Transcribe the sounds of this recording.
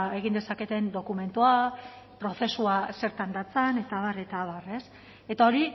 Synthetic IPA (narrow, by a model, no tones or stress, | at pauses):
e̞ɣ̞ind̪esake̞t̪e̞nd̪o̞kume̞nt̪ua | pɾo̞θe̞suase̞ɾt̪and̪at͡sane̞t̪aβare̞t̪aβare̞s | e̞t̪ao̞ɾi